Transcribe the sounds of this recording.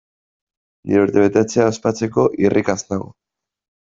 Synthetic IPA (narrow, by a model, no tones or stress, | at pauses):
niɾeuɾt̪e̞βe̞t̪e̞t͡seaːspat͡se̞ko̞ʔirʔikasnaɣo̰